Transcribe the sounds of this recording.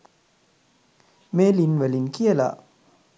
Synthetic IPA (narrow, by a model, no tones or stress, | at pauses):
melinwelinkʰiəla̰